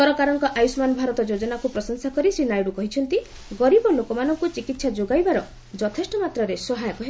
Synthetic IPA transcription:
t̪ɔɾɔkaɾɔŋkɔʔajusmanɔbʱaɾɔt̪ɔd͡ʒod͡ʒɔnakupɾɔsɔnsakɔɾisɾinajɽukɔɦit͡ʃʰɔn̪t̪i | ɡɔɾibɔlokɔmanɔŋkut͡ʃikit̪sad͡ʒoɡajbaɾɔ | d͡ʒɔt̪ʰesʈɔmat̪ɾɔɾesɔɦajɔkɔɦe

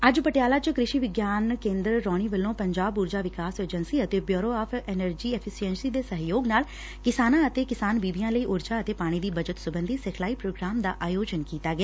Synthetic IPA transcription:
əd͡ʒpəʈɪjaːlaːt͡ʃkɾɪʃiːʋɪɡjaːnkẽːnd̪ɾɾɔːɽ̃iːʋəlːõːpəɲd͡ʒaːbuːɾd͡ʒaːʋɪkaːsəːd͡ʒənsiːət̪eːbjoːɾoːaːpʰɛnəɾd͡ʒiːɛpʰɪsiɛnsiːd̪eːsəɦjoːɡnaːl | kɪsaːnãːət̪eːkɪsaːnbiːʋijãːləiːʔʊɾd͡ʒaːət̪eːpaːɽ̃iːd̪iːbəd͡ʒət̪sʊbənd̪ʱiːsɛkʰlaːiːpɾoːɡɾaːmd̪a̰ːʔaːjoːd͡ʒənkiːt̪aːɡeaː

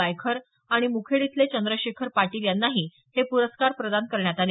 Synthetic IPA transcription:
ajkʰəɾ | aɽ̃imukʰeɽit̪let͡ɕənd̪ɾəɕekʰəɾpaʈiːljanːaɦiː | hepuɾəskaɾpɾəd̪ankəɾɳjat̪ale

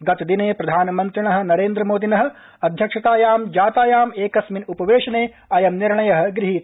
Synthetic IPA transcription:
ɡɐt̪d̪ineːpɾɐd̪ʱaːnɐmɐnt̪ɾiɳɐɦɐ̆nɐɾeːnd̪ɾɐmoːd̪inɐɦɐ̆ | ɐd̪ʱjɐkʂɐt̪aːjaːmd͡ʒaːt̪aːjaːmeːkɐsminupɐʋeːʂɐneː | ɐjɐmniɾɳɐjɐɦɐ̆ɡɾiɦit̪

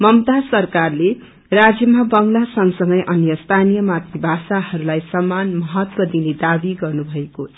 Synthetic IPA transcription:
mʌmt̪asʌrkarle | rad͡zjʌmabʌŋlasʌŋsʌŋɡʌjʔʌnjʌst̪ʰanijʌmat̪ibʱasahʌɾulajsʌmanmʌɦʌt̪wʌd̪ined̪abiɡʌrnubʱʌeko

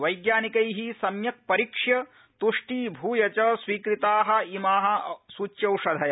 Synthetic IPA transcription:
ʋɐjɡjaːnikɐjɦisɐmjɐk̚pɐɾikʂjɐ | t̪uʂʈiːbʱuːjɐt͡ʃɐsʋiːkɾit̪aːɦɐ̆imaːɦɐ̆sut͡ʃjɐwʂɐd̪ʱɐjɐ

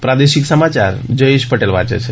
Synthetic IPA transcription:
pɾad̪eʃiksəmat͡ʃaɾd͡ʒəjeʃpəʈelʋa̰t͡ʃḛt͡ʃʰe

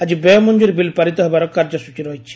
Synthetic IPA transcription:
ɐd͡ʒibemuɲd͡ʒuɾibilpɐɾit̪ɐɦbɐɾɔkɐɾd͡ʒɐsut͡ʃiɾɔːit͡ʃʰi̥

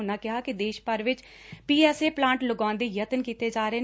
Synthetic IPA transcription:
ʊnãːkɪɦaːkɪd̪eːʃpəɾʋɪt͡ʃ | piːɛːseːplãːɳʈləɡãːnd̪eːjət̪ənkiːt̪eːd͡ʒaːɾəeː

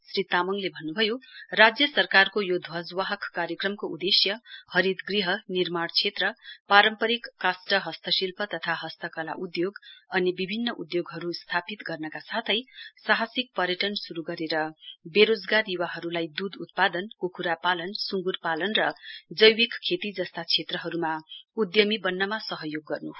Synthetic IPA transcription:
srit̪amʌŋlebʱʌnːubʱʌjorad͡zjʌsʌrkarkojod̪ʱwʌd͡zwaɦʌkkːaɾjʌkrʌmkoud̪esjʌhʌɾid̪ɡriɦʌnirmaɽt͡sʰet̪rʌpaɾʌmpʌɾikːasʈʌɦʌst̪ʌsilpʌt̪ʌt̪ʰaɦʌst̪ʌkʌla̰ʔud̪joɡʌnibibʱinːʌʔud̪joɡɦʌɾust̪ʰapit̪ɡʌrnʌkasat̪ʰʌjsaɦasik̚pʌɾjʌʈʌnsuɾuɡʌɾeɾʌbeɾod͡zɡaɾjuwaɦʌɾulajd̪ud̪ut̪̚pad̪ʌnkokuɾapalʌnsuŋɡurpalʌnrʌd͡zʌjwikkʰːet̪id͡zʌst̪at͡sʰet̪rʌɦʌɾumaud̪jʌmibʌnːʌmasʌɦʌjoɡːʌrnu

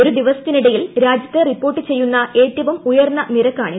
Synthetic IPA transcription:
o̞ɾud̪iʋɐsɐ̥t̪ːiniɽɐjilɾaːd͡ʑjɐt̪ːeripːo̞ːrʈːɨt͡ɕe̞jːunːɐe̞ːʈːɐʋɐmujɐrnːɐniɾɐkːaːɳi

